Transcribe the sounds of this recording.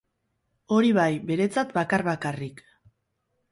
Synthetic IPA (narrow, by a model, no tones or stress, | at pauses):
o̞ɾiβajbe̞ɾe̞t͡sat̪bakarβakarik